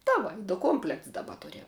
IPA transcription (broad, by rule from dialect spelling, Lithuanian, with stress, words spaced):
tɐ ˈʋɐ dʊ ˈkoːmʲpʲlʲɛkts dɐˈbɐ ˈtʊrʲɛm